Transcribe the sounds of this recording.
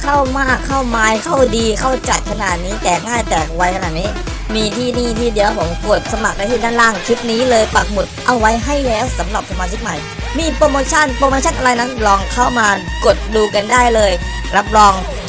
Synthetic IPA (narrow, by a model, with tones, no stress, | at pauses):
kʰa˥˩wmaː˥˩kʰːa˥˩wmaː˨˥jkʰa˥˩wdiː˧kʰa˥˩wt͡ɕa˨˩t̪̚kʰa˧naː˨˩t̪̚niː˦˥t̪ɛː˨˩k̚ŋaː˥˩jt̪ɛː˨˩k̚wa˧˦˥jkʰa˧naː˨˩t̪̚niː˦˥˩ | miː˧t̪ʰiː˥˩niː˥˩t̪ʰiː˥˩di˧əwpʰo˩˦mku˨˩ə˩t̪̚sa˧ma˨˩k̚a˧˥˩t̪ʰiː˥˩daː˥˩nlaː˥˩ŋkʰi˦˥p̚niː˦˥lɤː˧jpa˨˩k̚mu˨˩t̪̚ʔa˧wːa˦˥jɦa˥˩jlɛː˦˥wsa˩˦mɾa˨˩p̚sa˧maː˧t͡ɕʰi˦˥k̚ma˨˩j | miː˧pɾoː˧moː˧t͡ɕʰa˥˩npɾoː˧moː˧t͡ɕʰa˥˩nʔa˧ɾa˧jna˦˥nlɔː˧ŋkʰa˥˩wmaː˧ko˨˩t̪̚duː˧ka˧ndaː˥˩jlɤː˧j | ɾa˦˥p̚ɾɔː˧ŋ